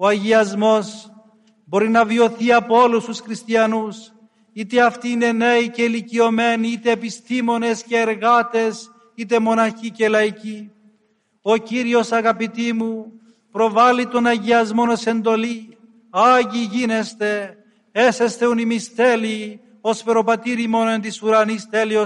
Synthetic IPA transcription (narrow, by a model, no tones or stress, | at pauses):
o̞ɐʝiɐzmo̞s | bo̞ɾinɐvio̞θiɐpoo̞lust̪usxɾist̪iɐnus | it̪eɐft̪iine̞ne̞ice̞licio̞me̞niit̪e̞ːpist̪imo̞ne̞sceːɾɣat̪e̞s | it̪̬e̞mo̞nɐçice̞lɐici | o̞ciɾio̞sɐɣɐpit̪imu | pɾo̞vɐlit̪o̞nɐʝiɐzmo̞no̞se̞nd̪o̞li | aʝiʝine̞st̪e̞ | ese̞st̪eunimist̪e̞li | o̞sfe̞ɾo̞pɐt̪iɾimo̞noent̪isuɾɐnist̪elio